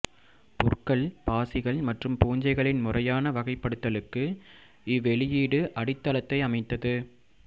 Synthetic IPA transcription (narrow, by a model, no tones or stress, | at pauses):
pʊrkɐɭpaːsɪɣɐɭmɐʈrɯmpuːɲd͡ʒɐɪɣɐɭɪnmʊrɐjaːnɐʋɐɣɐɪpːɐɽɯt̪ːɐlɯkːɯ | ɪʋɛɭɪjiːɽɯʔɐɽɪt̪ːɐlɐt̪ːɐɪɐmɐɪt̪ːɐðɯ